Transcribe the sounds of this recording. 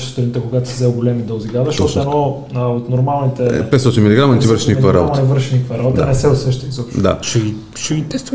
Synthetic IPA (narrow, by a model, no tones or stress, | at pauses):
st̪oɾnit̪ɛkʊɡat̪ʊ̥sizɛʊɡolɛmid̪əlˠziɡad̪ɛʃt̪ɔt̪ɛnɔ | əot̪noɾmalˠnit̪ɛpɛt̪sɔt̪inmilʲiɡɾamɐnɛt̪ivəɾʃinikvɐɾa̰botmɐnɛvɤɾʃinikəvɐɾabot̪d̪əanɛsɛʊsɛʃt̪ɛnizɔpʃd̪a̰ʃɛɡi | ʃɛɡit̪ɛst̪